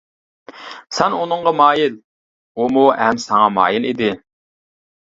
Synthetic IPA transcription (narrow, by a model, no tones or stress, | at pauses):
sɛnunɨɴʁɑmɑːjil | umuɛmsɑŋɑmɑ̰ːjilid̪ɪ